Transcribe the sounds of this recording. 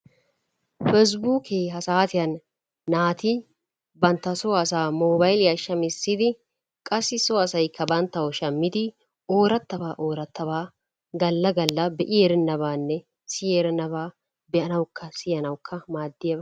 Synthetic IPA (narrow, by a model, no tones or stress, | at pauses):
fɛs̬buːkʰeːɦɐsaːt̪ɪjɐnː | aːt̪i | bɐnt̪ːɐsoːɐsaːmoːbɐjljɐʃːɐmɪsːɪd̪ɪ | kʼɐsːɪsoːɐsɐjkʰːɐbɐnt̪ːɐwɔʃɐmːɪd̪ɪ | o̞ːɾɐt̪ːɐbaːʔo̞ːɾɐt̪ːɐβaː | ɡɐlːɐɡɐlːɐbɛʔɪeːɾɛnːɐβaːnːɛ | sɪjeːɾɛnɐβaː | bɛʔɐnɐwkʰːɐsɪɐnɐwkʰːɐmaːd̪ːɪjɐbɐ